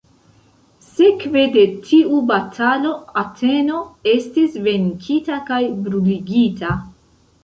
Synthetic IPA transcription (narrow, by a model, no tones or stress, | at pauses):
se̞kve̞de̞tʰiubatʰalo̞atʰe̞no̞e̞stisve̞ŋkʰitakajbɾuliɡita